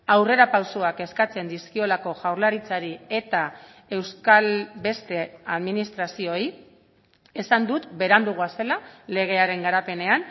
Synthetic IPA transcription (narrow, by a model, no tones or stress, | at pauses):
awre̞ɾapawsoake̞skat͡se̞nd̪iskio̞lako̞ʝawrlaɾit͡saɾie̞t̪a | e̞wskalbe̞st̪e̞aðminist̪ɾasio̞i | esand̪ut̪be̞ɾand̪uɣ̞uase̞lale̞ɣ̞e̞aɾe̞ŋɡaɾape̞ne̞an